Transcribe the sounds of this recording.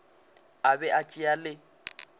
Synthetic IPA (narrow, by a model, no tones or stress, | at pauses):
abɛʔat͡ʃʼialɪ